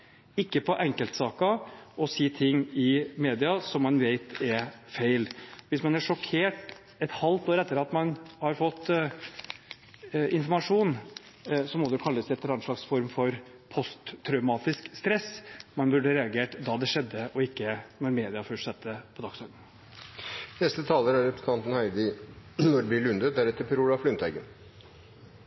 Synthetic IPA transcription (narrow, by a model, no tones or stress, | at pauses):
ɪkːəpʰɔʔɛŋkəlt̪sɑːkɑɔsiːt̪ʰɪŋːɪmeːd̪ɪɑsɔmːɑnʋeɪt̪ɛfeɪlʋɪsmɑnæʂɔkʰeːʈ | ɛt̪hɑlt̪oːɾɛt̪ːəɾɑt̪mɑnhɑɾfɔt̪ː | ɪnfɔɾmɑʂuːn | sɔmɔd̪ɛkʰɑlːəsɛt̪lɑnʂlɑksfɔɾmfɔɾ | pʰɔst̪ʰːɾœʉmɑːt̪ɪskst̪ɾɛsmɑnbʉɖəɾɛɑɡeːʈd̪ɑd̪ɛʂɛd̪ːəʔɔɪkːənɔɾmeːd̪ɪɑfœsʈsɛt̪ːəpʰɔd̪ɑksɔɾd̪n̩ | nɛst̪ət̪ʰɑːləɾæɾɛpɾəsn̩ʰɑnt̪n̩hæɪd̪ɪnɔɖb̪ɪlʉnd̪ət̪̚d̪æɾɛt̪ːəɾpʰɔɾuːlɑflʏnt̪ʰæɪɡə̰n